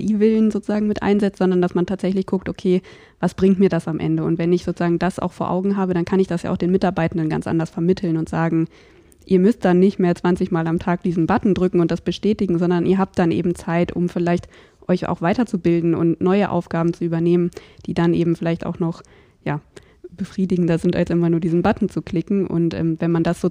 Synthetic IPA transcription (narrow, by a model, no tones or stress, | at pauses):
ʔiːvɪlnzoːt͡suz̥aːɡŋ̩mɪtʔa̰ɪnzɛt͡sn̩zɔndɐndasmantʰaːtz̥ɛçlɪçɡ̥ʰʊk̚tʔokʰeː | vasb̥ʁɪŋtmiːɐdasamʔɛ̰ndəʊ̰ntv̥ɛnɪçz̥oːt͡suz̥aːɡŋ̩dasʔa̰ʊfoːɐʔa̰ʊɡŋ̩ɦaːbəɾankʰanɪçd̥asja̰ːaʊd̥eːnmɪtaɐbaɪtn̩dənɡant͡sʔa̰ndɐsfɛɐmɪtʰl̩nʊntz̥aːɡŋ̩ | ʔiːɐmʏst̚d̥anːɪçtmeːɐt͡sv̥ant͡sɪçmaːlamtʰaːk̚d̥iːzn̩batn̩dʁʏkŋ̩ʊntd̥asb̥əʃtɛːtɪɡŋ̩zɔndɐnʔiːɐɦaːp̚td̥anʔḛːbm̩t͡saɪtʔʊ̰mfɪlaɪçt | ʔɔʏça̰ʊxv̥aɪtɐt͡subɪldn̩ʊ̰ntnɔʏəʔa̰ʊfɡ̥aːbm̩t͡suyːbɐneːmənd̥iːdanʔeːbm̩fɪlaɪçta̰ʊxnɔχ | jaː | b̥əfʁ̥iːdɪɡŋ̩dɐzɪntʔa̰lsʔɪmɐnuːɐdiːzn̩batn̩t͡sukʰl̥ɪkŋ̩ʔʊ̰ntʔɛ̰ːmvɛnmandasz̥oː